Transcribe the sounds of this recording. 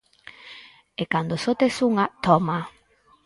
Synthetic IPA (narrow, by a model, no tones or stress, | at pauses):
ekand̪osot̪esuŋat̪ɔma